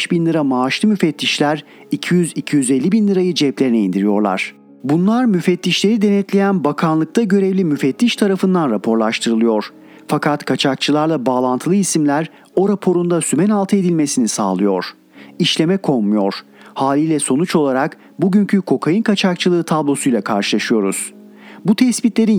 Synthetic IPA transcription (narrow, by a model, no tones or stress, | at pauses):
ʃbinlʲˠɯɾamaːʃlˠɯmyfɛt̪ʰːiʃlʲæɾ | icʰijyzicʰijyze̞lʲːibinlʲˠɯɾajɯd͡ʒɛplʲeɾinɛind̪iɾijo̞̰ɾlˠa̰ɾ̥ | bunlˠaɾmyfɛt̪ːiʃlʲe̞ɾid̪e̞nɛt̪lʲe̞jænbakʰanlˠɯk̚t̪ʰaɟø̞ɾevlʲimyfɛt̪ːiʃt̪ʰaɾafɯnd̪anɾapʰo̞ɾlˠaʃt̪ʰɯɾɯlˠɯjo̞ɾ̥ | fakʰat̪kʰat͡ʃʰak̚t͡ʃʰɯlˠaɾlˠabaːlˠant̪ʰɯlˠɯisimlʲæɾ | o̞ɾapʰo̞ɾund̪asymɛnalˠt̪ʰɯed̪ilʲme̞sinisa̰ːlˠɯjo̞̰ɾ̥ | iʃlʲe̞mɛkʰo̞lˠmujo̞ɾ̥haːlʲiːlʲɛso̞nut͡ʃo̞lˠaɾak | buɟyɲcʰykʰo̞kʰajɯnkat͡ʃʰak̚t͡ʃʰɯlˠɯːt̪ʰablˠo̞sujlʲˠakʰaɾʃɯlˠaʃɯjo̞ɾuz̥ | but̪ʰɛsbit̪lʲe̞ɾin